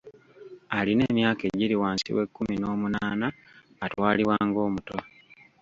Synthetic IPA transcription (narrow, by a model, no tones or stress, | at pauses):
aline̞ːmjaːkeɟiɾiwaːnsḭwe̞kːumino̞ːmunaːnaː | twaːliwaːŋɡo̞ːmuto̞